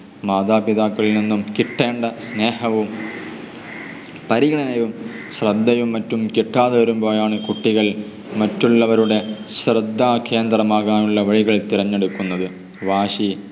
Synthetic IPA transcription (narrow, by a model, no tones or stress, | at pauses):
maːd̪aːpiðaːkːɐɭilninːumkiʈːeːɳɖɐsneːhɐʋum | pɐɾiɣɐɳɐnɐjum | ɕrɐd̪ʱːɐjumːɐtːumkiʈːaːðɐʋɐɾumbo̞ːjaːɳɨkuʈːiɣɐɭ | mɐtːuɭːɐʋɐɾuɽe̞ɕrɐd̪ʱːaːkʰe̞ːnd̪rɐmaːɣaːnuɭːɐʋɐɻiɣɐɭt̪iɾɐɲːe̞ɽukːunːɐðɨ | ʋaːɕi